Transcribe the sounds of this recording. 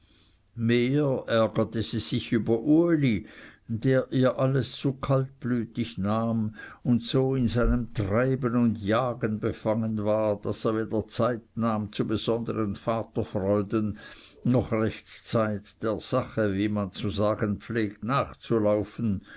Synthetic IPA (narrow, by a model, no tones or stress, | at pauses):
meːʔɛɐɡɐtəziːz̥ɪçyːbɐʔuelid̥eːɐʔiːɐʔaləst͡suːkʰalt̚b̥lyːtɪçnaːmʊntsoːɪnzaɪnəmtʁaɪbənʊndjaːɡənbefaŋənvaːɐd̥aseːɐveːd̥ɐt͡saɪt̚naːmt͡subəz̥ɔndəʁənfaːtɐfʁɔʏdənnɔχʁɛçtt͡saɪtd̥eːɐz̥aχəviːmant͡suzaːɡənpp͡fleːktnaːχt͡sulaʊfn̩